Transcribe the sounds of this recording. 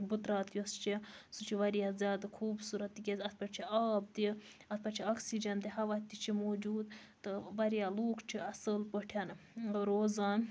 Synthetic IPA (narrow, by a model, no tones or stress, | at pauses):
but̪ɾaːt̪jost͡ʃʰisut͡ʃʰiʋɐɾijaːzʲjaːd̪ɐkʰuːbsuɾɐt̪ːikʲezʲɐt̪̚ʰpɐt͡ʃʰiaːb̚d̪i | ɐt̪̚pɐt͡ʃʰiɐksid͡ʒɐnd̪iɦɐʋat̪ːit͡ʃʰimoːd͡ʒuːd̪t̪ɨʋɐɾijaːloːkt͡ʃʰiɐsəlpəʈʰjɐnɾoːzaːn